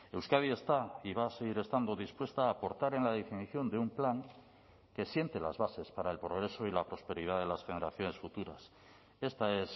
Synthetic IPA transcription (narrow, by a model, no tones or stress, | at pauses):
e̞wskaðie̞st̪aiβaːse̞ɣiɾe̞st̪and̪o̞ðispwe̞st̪aːpo̞ɾt̪aɾe̞nlað̞e̞finiθjo̞nd̪eumplaŋ | ke̞sje̞nt̪e̞lazβase̞spaɾaelpɾo̞ɣɾe̞so̞ilapɾo̞spe̞ɾiðaðe̞lasxe̞ne̞ɾaθjo̞ne̞sfut̪uɾa̰s | e̞st̪ae̞s